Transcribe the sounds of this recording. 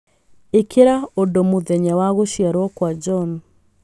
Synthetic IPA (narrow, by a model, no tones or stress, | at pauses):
ekʰeɾaodomoðɛɲawaɣoʃjaɾwɔkwad͡ʒɔn